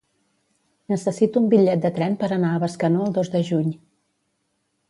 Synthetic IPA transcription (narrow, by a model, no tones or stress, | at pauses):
nəsəsit̪uːmbiʎɛt̪̚d̪ət̪ɾɛmpəɾənaəβəskənoəlˠd̪ozd̪əʒuɲ